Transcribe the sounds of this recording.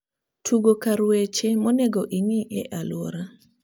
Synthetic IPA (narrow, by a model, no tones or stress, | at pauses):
tʰuɡokaɾwet͡ʃemɔneɡoʔiŋiʔɛ̰ʔalwɔ̰ɾa